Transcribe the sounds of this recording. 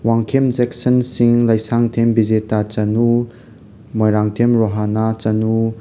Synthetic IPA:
waŋkʰemzɛksənsiŋləjsaŋtʰembizetat͡ʃanu | mɔjɾaŋtʰemɾɔɦanat͡ʃanu

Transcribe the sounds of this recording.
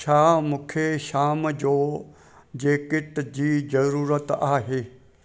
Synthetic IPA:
t͡ʃʰaːmũːkʰeʃaːmd͡ʑoː | d͡ʑeːkɪʈd͡ʑiːzɐɾuːɾət̪aːɦeː

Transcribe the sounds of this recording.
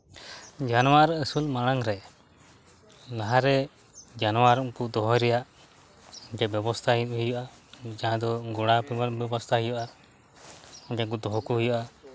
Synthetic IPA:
d͡ʒanɔwaɾəsulmaɽ̃aŋɾɛ | laɦaɾɛ | d͡ʒanɔwaɾɔŋkud̪ɔɦɔjɾɛjaʔ | d͡ʒɛbɛbɔst̪ʰaɦiɦujuʔa | d͡ʒaɦãd̪ɔɡɔɽ̃apibɛbɔst̪ʰaɦujuʔa | ɔd͡ʒɛkud̪ɔɦɔkuɦujuʔa

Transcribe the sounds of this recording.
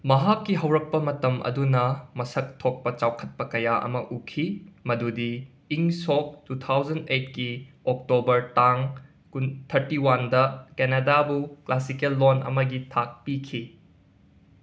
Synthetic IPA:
mɐɦakːiɦɐwɾɐk̚pɐmɐtɐmʔɐ̰dunɐmɐsɐk̚tʰok̚pɐt͡ʃawkʰɐt̚pɐkɐjaʔɐ̰mɐʔukʰimɐdudiː | ŋsok̚tut̪ʰawd͡ʒɐnejt̚kiok̚tobɐɾtaŋ | kunt̪ʰɐɾtiwandɐkenadabuklasikelːonɐ̰mɐɡitʰak̚pikʰi

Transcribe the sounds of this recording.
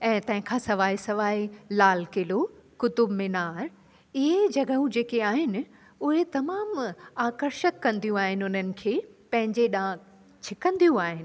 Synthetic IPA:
ɛ̃ːt̪ɐ̃ɦɪ̃kʰãːsɐʋaːisɐʋaːilaːlkɪlokʊt̪ʊbmɪnaːɾ | ɪɦed͡ʑɐɡəũd͡ʑeːkeaːɦɪnɪ̆ | ʊɦet̪ɐmaːmaːkəɾʃək̪ːɐ̃nd̪ijũaːɦɪnɪʊn̤ənɪ̆kʰeːpɐ̃ɦɪ̃ɲd͡ʑeɗãː | t͡ɕʰɪkə̃nd̪ijũaːɦɪnɪ̆

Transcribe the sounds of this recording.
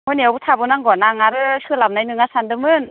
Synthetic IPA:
mɔniawbutʰabɯnaŋɡɔnaŋaɾɯkʰɯlamnajnɯŋasandɯmɯn

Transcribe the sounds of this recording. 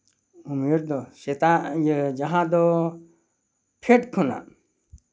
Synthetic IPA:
umeɾd̪ɔset̪ajd͡ʒaɦãd̪ɔ | pʰeʈkʰuna̰

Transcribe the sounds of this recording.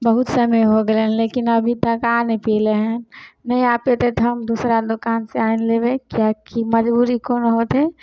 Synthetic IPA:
bəɦʊt̪səməjɦoɡeleɦleːkɪnɐbʱit̪ɐkaːnepiːleɦɛ̃nɐĩaːpet̪et̪ɦɐmd̪uːsɾad̪ʊkaːnseaːinleːbẽkjakiməd͡ʒbuːɾikoːnɦot̪ɦe

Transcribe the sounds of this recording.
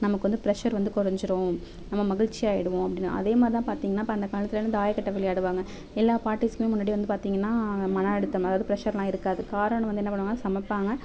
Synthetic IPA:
nɐmɐkːɯʋɐnd̪ɯpɪɾɛʂɐɾʋɐnd̪ɯkɔɾɐɲd͡ʒɯɾõː | nɐmːɐmɐɣɪɻt͡ʃːiaːjɪɽɯʋõɐpːɐɽɪnːa̰ɐ̰ðeːmaːd̪ɾit̪ãːpaːɾt̪iːŋɡɐnːaːpɐɐnd̪ɐkaːlɐt̪ːɯlnːɯd̪aːjɐkɐʈːɐʋɛlɪjaːɽɯʋaːŋɡɐ | ɛlːaːpaːɾʈːiskɯmeːmʊnːaːɽiʋɐnd̪ɯpaːɾt̪iːŋɡɐnːaːmɐnɐɛɽɯt̪ːɐɐðaːʋðɯpɾɛʂɐɾlãːɪɾɯkːaːðɯkaːɾɐɳɐ̃ʋɐnd̪ɛnːɐpɐɳɯʋaːŋɡɐsɐmɐpːaːŋɡɐ

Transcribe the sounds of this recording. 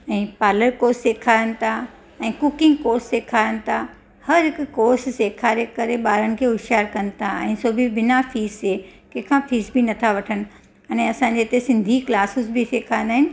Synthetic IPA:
ɛ̃ːpaːləɾkoːɾsːeːkʰaːɾənɪ̆t̪ʰa | ɛ̃ːkʊkɪ̃ŋɡkoːɾsːeːkʰaːənɪ̆t̪ʰa | hɐɾɦɪkʊkoːɾsseːkʰaːɾekɐɾeɓaːɾənɪ̆kʰeːɦʊʃaːɾkɐn̆t̪ʰaɛ̃ːsoːbʱibɪnafʰiːzekɛ̃ːkʰãfʰiːsbinɐt̪ʰaʋɐʈʰəñɪ̆ | ɐ̃nɛ̃ɐsãɲd͡ʑeɪt̪esɪ̃nd̪ʱiklaːsɪsbiseːkʰãːɪ̃nd̪aːɦɪnɪ̆

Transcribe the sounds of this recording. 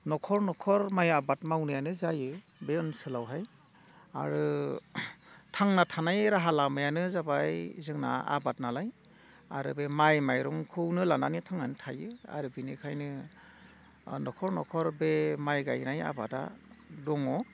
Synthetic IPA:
nɔkʰɔɾnɔkʰɔɾmajabat̚mawnɯjanɯzajɯ | beɔnsɯlawɦaj | a̰ɾɯ | tʰaŋnatʰanajɾaɦalamajanɯzabajzɯŋna̰a̰bat̚nalaj | a̰ɾɯbemajmajɾɔŋkʰɯwnɯlananitʰaŋanɯtʰajɯa̰ɾɯbinikʰajnɯ | nɔkʰɔɾnɔkʰɔɾbemajɡa̰jnaja̰bata̰dɔŋɔ

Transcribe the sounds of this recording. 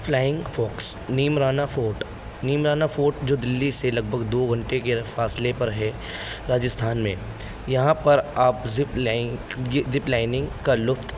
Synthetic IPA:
flaːɪ̃ŋɡfɔːksniːmɾaːnafoːʈ | niːmɾaːnafoːʈd͡ʒoːd̪ɪlːiselɐɡ̚bʱəɡd̪oːɡʱɐ̃ɳʈekefaːslepɐɾɦɛ | ɾaːd͡ʒəst̪ʰaːnmḛ̃ | jɐɦãpɐɾaːpɪp | zɪplaːɪnɪ̃ŋɡkalʊft̪

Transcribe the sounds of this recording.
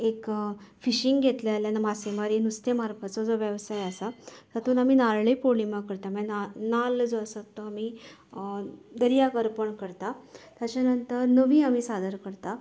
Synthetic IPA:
ekfiɕiŋɡɡʱet̪lljanamasemaɾiːnust̪emaɾpat͡sɔd͡zoʋjəʋsajasasat̪uːnamiːnalɭepolimakəɾt̪amananald͡zoasat̪ːoami | d̪əɾijakəɾpəɳkəɾt̪at̪jat͡ɕanənt̪əɾnəʋiːamiːsad̪əɾkəɾt̪a

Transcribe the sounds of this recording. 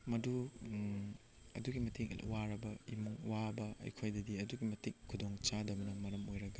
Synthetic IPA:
mɐdu | ɐ̰duɡimɐtʰikwaɾɐbɐḭmuŋwabɐɐ̰jkʰojdɐdiɐduɡimɐtikʰːudoŋt͡ʃadɐbɐnɐmɐɾɐmojɾɐɡɐ

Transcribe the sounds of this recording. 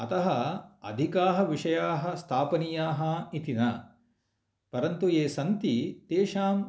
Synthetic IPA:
ɐt̪ɐɦɐɐ̰d̪ʱikaːɦɐʋiʂɐjaːɦɐ̆st̪ʰaːpɐnijaːɦɐit̪inɐ | pɐɾɐnt̪ueːsɐnt̪it̪eːʃaːm

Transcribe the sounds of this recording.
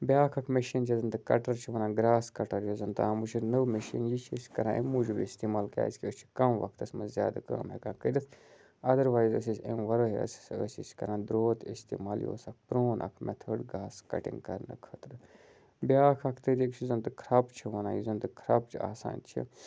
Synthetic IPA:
bʲjaːkʰɐkʰmeʃint͡ʃʰizɨnt̪ɨkɐʈɐɾt͡ʃʰiʋɐnãːɡɾaːskɐʈɐɾjozɐnt̪aːmuʃiɾnəʋmeʃḭːnjit͡ʃʰiskɐɾãːʔemuːd͡ʒubist̪iːmaːlka̰ːskiəst͡ʃʰi̥kɐmʋɐ̰k̚ʰt̪ɐsmɐzja̰ːd̪akɐ̰mɦekãːkəɾit̪ʰ | ɐd̪ɐɾʋaːzəs̬isemʋɐɾoɦeɐ̰si̥səsiskɐɾãːd̪ɾoːt̪ist̪ḭːmaːljo̰ːsɐk̚pɾoːnʔɐ̰kʰmʔɛt̪ʰəːɖɡaːskɐ̰ʈḭ̃ŋɡkɐɾnɨ̰kʰɐt̪ɾɨ | bʲjaːkʰɐkʰt̪ɨd̪ikt͡ʃʰizɐnt̪ɨkʰɾɐpt͡ʃʰiʋɐnãːjizɐnt̪ɨkʰɾɐp̚t͡ʃʰia̰ːsa̰ːnt͡ʃʰḭ

